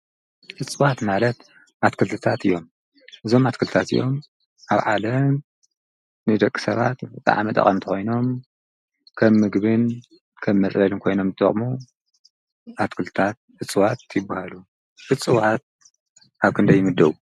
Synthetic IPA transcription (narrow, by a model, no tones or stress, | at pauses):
ʔɨt͡sʼɨwat̪malɐt̪̚ | ʔat̪kʰɨlt̪ʰɨt̪ʰat̪ɨjːo̞m | ʔɨzo̞mat̪kʰɨlt̪ɨt̪ʰat̪ɨ̰jːo̞̰m | ʔaβʕalɐm | nɨd̪ɐkʼːi̥sɐβa̰t̪ɨt̪ʰʼːa̰ʕa̰mɐt̪ʼɐ̰χʼɐmt̪ʰɐxo̞jno̞m | kʰɐmːɨɡβɨn | kʰɐmːɐt͡sʼlɐlɨnkʰo̞jno̞mzɨt̪ʰʼɐ̰χʼmu | ʔat̪kʰɨlt̪ʰɨ̥t̪ʰat̪̚ɨt͡sʼɨwat̪jɪbːahalu | ʔɨt͡sʼɨwat̪̚ | aβkʰɨnd̪ɐjːɪmɨd̪ːɐwu